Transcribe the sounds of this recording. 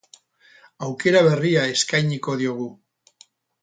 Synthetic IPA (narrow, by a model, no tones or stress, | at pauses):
awke̞ɾaβ̞e̞riae̞skajɲiko̞ðio̞ɣ̞u